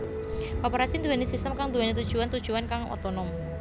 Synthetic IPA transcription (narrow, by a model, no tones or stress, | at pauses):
kopeɾasind̪uwɛnesist̪əmkaŋd̪uwɛnet̪ud̥ʒ̥uwant̪ud̥ʒ̥uankaŋwʔɔ̰t̪ɔnɔŋ